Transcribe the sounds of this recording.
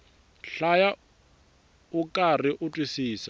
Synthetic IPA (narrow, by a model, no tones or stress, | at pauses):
ɬaja | ukʼariʔʊtʼwisiːsa